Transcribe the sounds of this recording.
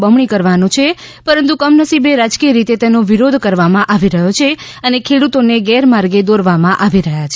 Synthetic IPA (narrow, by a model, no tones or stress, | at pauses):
bəmɳikəɾʋanõt͡ʃʰepəɾənt̪ukəmnəsibeɾad͡ʒkijəɾit̪et̪enoʋiɾod̪ʱkəɾʋamãʔaʋiɾəɦot͡ʃʰe | ənekʰeɽut̪oneɡɛɾmaɾɡed̪oɾʋamãʔaʋiɾəɦjat͡ʃʰe